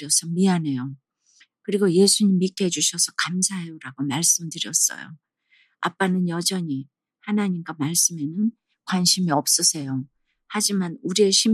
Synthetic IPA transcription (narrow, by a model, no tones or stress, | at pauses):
ʌsʰʌmiane̞jo | kɯɾiɡoje̞sʰuɲimːik͈ʰed͡ʑuɕʰʌsʰʌkamsʰaɦejoɾaɡomaɭs͈ɯmdɯɾjʌs͈ʌ̰jo̰ | a̰p͈anɯnjʌd͡ʑʌɲi | hanaɲimɡwamaɭs͈ɯme̞nɯn | kwanɕʰimiʌp̚s͈ʌsʰe̞jo | had͡ʑimanuɾieɕʰim